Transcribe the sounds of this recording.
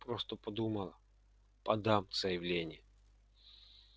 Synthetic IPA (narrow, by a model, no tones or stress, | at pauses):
pɾost̪əpɐd̪uməlˠə | pɐd̪amz̥əjɪvlʲenʲɪj